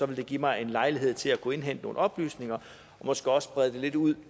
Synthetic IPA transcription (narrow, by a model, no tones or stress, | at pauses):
sɒ̽ʋeld̥e̝ɡ̥imɑ̈ɪe̝nlɑ̈ɪliɦe̝ð̞̰ˠt͡sʰe̝lækʰue̝nɦend̥no̝ːn̩ɒ̽b̥ly̰ːsne̝ŋɐ | ɒ̽mɒ̽sɡ̥e̝ɒ̽səb̥ʁɛð̞ˠd̥e̝le̝d̥uð̰ˠ